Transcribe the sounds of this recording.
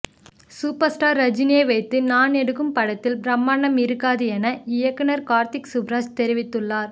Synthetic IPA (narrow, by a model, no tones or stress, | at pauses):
suːpɐɾsʈaːɾːɐd͡ʒɪnɪjeːʋɐɪt̪ːɯnaːnɛɽɯɣɯmpɐɽɐt̪ːɪlbɾɐmːaːnɐmɪɾɯkːaːðɯɛnɐɪjɐkːɯnɐɾkaːɾt̪ɪksʊbɾaːd͡ʒt̪ɛɾɪʋɪt̪ːɯɭːaːɾ